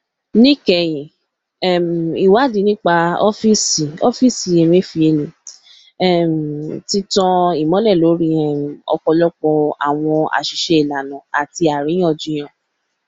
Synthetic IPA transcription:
nĩ˦kɛ˨j̃ĩ˨ | ɛ˦˨m˨i˨wa˨˦˨di˨˧˦nĩ˦k͡pa˧ɔ̰˦fi˦si˨ɔ˦fi˦si˨e˨me˦fi˧e˧lĩ˨ | ɛ˦˨m˨ti˦tɔ̃˧i˨mɔ̃˨˦lɛ˦˨lo˨˦ɾĩ˦ɛ˦˨m˨ɔ̰˧kɔ˧lɔ˦k͡pɔ̃˧a̰˨w̃ɔ̃˧a̰˨ʃi˧˦ʃe˧i˦˨la˨nã˨a̰˨ti˧a˨ɾĩ˨˦ɔ̃˦˨d͡ʒũ˨˧˦j̃ã˦˨

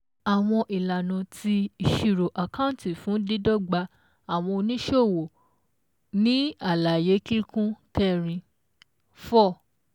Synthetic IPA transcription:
a˨w̃ɔ̃˧ʔi˨la˨nã˨tʰi˧i˨ʃi˨ɾo˨ʔa˨kã˦ũ˦˨˦ti˨fũ˨˦di˦dɔ˦ɡ͡ba˧ | a˨w̃ɔ̃˧o˧nĩ˦ʃo˦˨wo˨ | nĩ˨˦a˦˨la˨je˨˦ki˦ɾi˦kũ˦kɛ˦˨ɾ̃ĩ˧ | fɔ˦˨

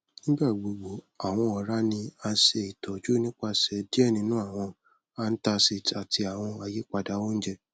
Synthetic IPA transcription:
nĩ˦ɡ͡ba˦˨ɡ͡bo˨ɡ͡bo˨ | a˨w̃ɔ̃˧ɔ˨ɾa˦nĩ˧a˧n̩˦ʃe˧i˨tʰɔ˨d͡ʒu˦nĩ˦k͡pa˧sɛ˨˦di˦ɛ˦˨nĩ˧nũ˦a˦˨w̃ɔ̃˧ | a˧n̩˦ta˧si˨ta˨ti˧a˨w̃ɔ̃˧a˨je˨˦k͡pa˧da˨˦wo˦n̩˦d͡ʒɛ˧

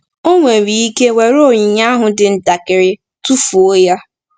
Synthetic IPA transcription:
o˦ŋʷe˨ɾi˨i˦ke˦we˨ɾo˦˨ɲi˨ɲa˦ɦʊ˨dɪ˨n̩˦da˨kɪ˨ɾɪ˨ | tu˦fu˨o˦ja˦

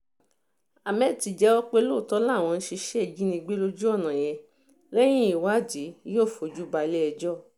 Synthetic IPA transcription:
a˨mɛ˦˨ti˧d͡ʒɛ˦ɔ˦k͡pe˦lo˦˨tɔ˦la˦˨w̃ɔ̃˧n̩˦ʃi˧ʃɛ˦i˨d͡ʒĩ˦nĩ˧ɡ͡be˦lo˦d͡ʒu˦ɔ˦˨nã˨jɛ˧ | lɛ˦j̃ĩ˦i˨wa˦˨d͡ʒi˨˦jo˦˨fo˨d͡ʒu˦ba˧le˦ɛ˧d͡ʒɔ˦˨

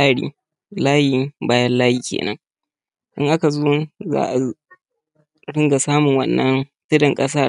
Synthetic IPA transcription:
aː˦ɽḭː˦ | laː˦jiː˨baː˦jɐ˦nlaː˦jiː˨kʲḛː˨nɐ̰˦ŋ | ʔɪ˦ŋʔa˦ka˨zoː˦za̰ː˦ʔa˨ | ɽɪ˦ŋɡa˨saː˦mʊ˨ŋwɐ˦nːɐ˦ntɪ˦dɐ˨ŋkʼɐ˦s̬aː˦

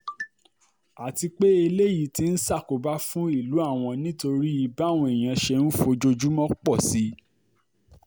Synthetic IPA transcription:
a˨ti˧k͡pe˦e˧le˦ji˦˨ti˦n̩˦sa˦˨ko˨ba˦fũ˦i˦˨lu˨˦a˦˨w̃ɔ̃˧nĩ˦to˧ɾi˦i˧ba˦˨w̃ɔ̃˧e˨j̃ã˧ʃɛ˧nũ˦fo˧d͡ʒo˧d͡ʒu˦mɔ̃˦k͡pɔ˦˨si˨˦

